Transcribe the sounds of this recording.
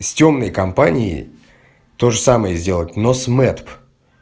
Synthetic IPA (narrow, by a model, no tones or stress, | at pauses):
sʲtʲo̞mnəjkɐmpanʲɪɪ̰ | t̪o̞ʐɨsaməjəzʲdʲe̞lˠətʲnosmɛt̪p